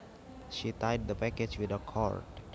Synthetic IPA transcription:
ʃitajd̚d̪əpæked͡ʒwɪd̪əkʰɔ̰ɹd

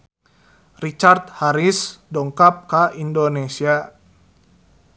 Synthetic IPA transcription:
rit͡ʃart̪̚haɾisdɔŋkap̚kaindonesia

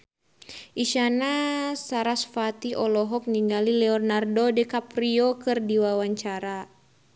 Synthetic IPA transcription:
ʔiʃanasaɾasfat̪iɔlɔɦɔk̚niŋɡalilɛɔrnardɔdɛkapɾiɔkɨrdiwawaɲt͡ʃaɾa

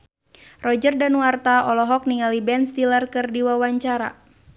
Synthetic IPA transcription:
rɔd͡ʒərdanwart̪aɔlɔɦɔk̚niŋalibɛnst̪ilərkɨrdiwawaɲt͡ʃaɾa̰

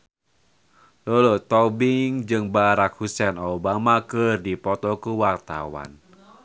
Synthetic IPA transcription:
lolot̪ɔbiŋd͡ʒɨŋbaɾakhusɛnɔbamakərdipɔt̪ɔkuwart̪a̰wa̰n

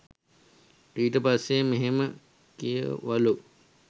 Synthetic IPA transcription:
iːʈəpasːemeɦemə | kijə̰ʋalu

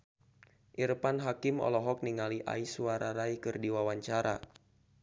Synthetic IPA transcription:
ʔirpanɦakimɔ̰lɔɦɔk̚niŋaliʔa̰isuaɾaɾaikɨrdiwawaɲt͡ʃaɾa̰

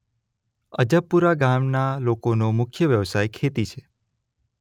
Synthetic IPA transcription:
əd͡ʒəpːuɾaɡamnalokonomʊkʰjəʋjəʋsajkʰet̪it͡ʃʰe

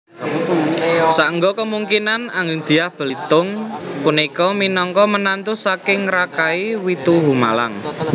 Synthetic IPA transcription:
saʔəŋɡɔkəmuŋkinanaŋɪŋd̪̥i̤ahb̥ə̤lit̪ʊŋpunikɔminɔŋkɔmənant̪usakɪŋɾakaiwit̪uɦuma̰la̰ŋ

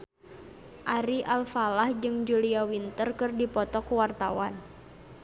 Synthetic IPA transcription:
ʔaɾiʔalfalahd͡ʒɨŋd͡ʒuliawint̪ərkɨrdipɔt̪ɔkuwart̪awan

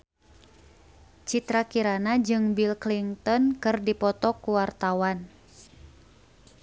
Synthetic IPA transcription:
t͡ʃit̪ɾakiɾanad͡ʒɨŋbilkliŋt̪ɔnkɨrdipɔt̪ɔkuwart̪awan

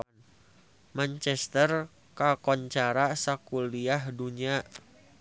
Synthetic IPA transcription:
mant͡ʃɛst̪ər | kakɔɲt͡ʃaɾasakuliaɦduɲaʔ

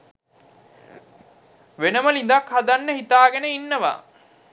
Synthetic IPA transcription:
ʋenəməlin̆d̪akhad̪anːəhit̪aːɡenəinːəʋa̰ː

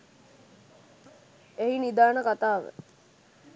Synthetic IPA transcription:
eɦinid̪aːnəkat̪aːʋə̰

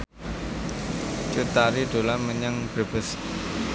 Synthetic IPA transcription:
t͡ʃut̪aɾiɖ̪̥o̤lanməɲəŋb̥ɾə̤b̥əs

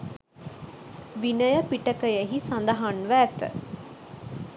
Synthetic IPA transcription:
ʋinəjəpiʈəkəjeɦisand̪aɦanʋæːt̪ə̰

